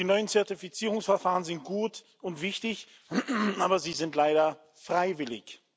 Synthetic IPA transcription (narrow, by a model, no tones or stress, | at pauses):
d̥iːnɔʏənt͡sɛɐtifit͡siːʁʊŋsfɛɐfaːʁənzɪnt̚ɡ̥uːt | ʊntv̥ɪçtɪç | ʔaːbɐziːzɪntlaɪɾɐ | fʁ̥aɪvɪlɪ̰ç